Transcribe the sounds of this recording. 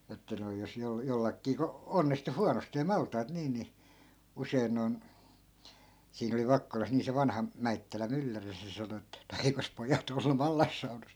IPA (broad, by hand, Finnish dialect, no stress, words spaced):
etːæ noi̯ jos jol jolːɑkːiː ko onːistu huɑnosteː mɑltˑɑːt niːn ni usei̯n noi̯n siːn oli ʋɑkːolɑs niː se ʋɑnhɑ mæitːælæ mylːæri se sɑno etːæ̆ no eikos pojɑt olːu mɑlːɑsːɑunɑs